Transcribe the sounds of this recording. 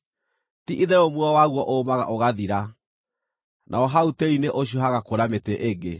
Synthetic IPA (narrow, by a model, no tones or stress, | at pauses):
tiʔiðɛɾomwɔwaɣwɔʔoːmaɣa̰ʔoɣaðiɾa | nʔa̰ɔɦauteineʔoɕ̬jɔɦaɣakoɾameteʔeɡe